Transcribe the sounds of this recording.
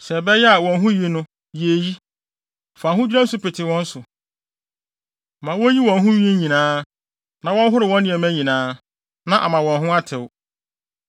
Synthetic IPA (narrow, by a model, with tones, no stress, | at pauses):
sɛ˨bɛ˦jɛ˦a˨wɔ̃˨nɦʊ̃˦ji˦nʊ̃˦ | je˨ji˦˨ | fa˨ɦʊ̃˦d͡ʑᶣɾa˦n˦sʊ˦pɪ˨tʰɪ˨wɔ̃˦n̩˦sʊ˨ | mã˨wo˦ji˦wɔ̃˨nɦʊ̃˦ɥi˦e˦ɲĩ˨nãː˦ | nã˨wɔ̃˦n˦ɦʊ˦ɾɪ˨wɔ̃˦nɪ̃˨ɛ˨mæ̃˦ɲĩ˨nãː˦ | nã˨ʔa˨mã˨wɔ̃˨nɦʊ̃˦a˦tʰɪ˨w